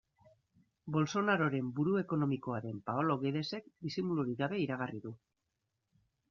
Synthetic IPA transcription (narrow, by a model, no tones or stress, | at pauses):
bo̞lso̞naɾo̞ɾe̞mbuɾue̞ko̞no̞miko̞aɾe̞mpaolo̞ɣeðe̞se̞kd̪isimuluɾiɣaβe̞iɾaɣariðu